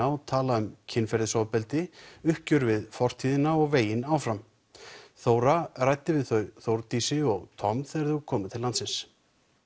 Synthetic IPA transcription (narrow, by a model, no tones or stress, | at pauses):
awt̪ʰaːlaʏmcʰɪnːfɛɾðɪsɔwpɛlt̪ɪʏhcʏɾvɪðfɔr̥t̪ʰiːðɪnaɔɣveːjɪnaːwfɾam | θoːwɾarajt̪ɪvɪðθœɥθowɾt̪isɪɔɣt̪ʰɔmθɛɛɾθukʰɔːmat̪ʰɪlːant̪sɪns